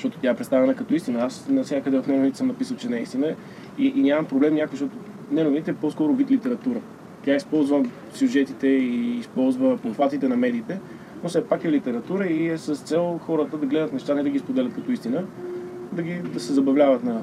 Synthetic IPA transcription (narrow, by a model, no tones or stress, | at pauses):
ʃt̪ɔt̪ʊ̥t̪jaɛpɾɛt̪st̪avɛnəkɐt̪ɔist̪inəasnɐsnʲakəd̪ɛvɐfnɛnovnit̪ɛsəmnɐpisəlˠt͡ʃɛnɐist̪inə | iʔinʲamɐmpɾoblɛmnʲjakovzʃt̪ɔt̪ʊ | nɛnovnit̪ɛpɔskɔɾʊvit̪lit̪ɛɾɐt̪uɾə | t̪ʲaispɔlˠzvə | sʲjuʒɛt̪it̪ɛiːspɔlˠzvəpofat̪it̪ɛnɐmɛd̪iːt̪ɛ | nofsɛpakɛlit̪ɛɾɐt̪uɾəiɛsəst̪sɛlˠxɔɾət̪əd̪ɐɡlɛd̪ət̪nɛʃt̪anɛd̪ɐɡʲispod̪ɛlʲɐt̪̚kɐt̪ɔist̪inəd̪ɐɡid̪ɐsɛzɐbɐvlʲavət̪nɐ